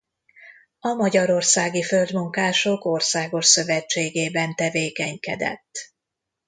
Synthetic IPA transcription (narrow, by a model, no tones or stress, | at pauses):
ɒmɒɟɒɾo̞rsaːɡifø̞ld̪muŋkaːʃoko̞rsaːɡo̞ʃsø̞vɛt͡ʃːeːɡeːbɛnt̪ɛveːkɛɲkɛ̰d̪ɛ̰t̪ː